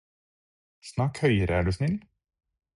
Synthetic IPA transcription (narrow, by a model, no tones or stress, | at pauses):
snɑːkhœʏəɾəæːɖʉːsnɪn